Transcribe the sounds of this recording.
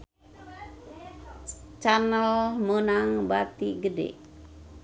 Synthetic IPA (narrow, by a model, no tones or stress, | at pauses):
t͡ʃanəlmənaŋbat̪iɡədḛʔ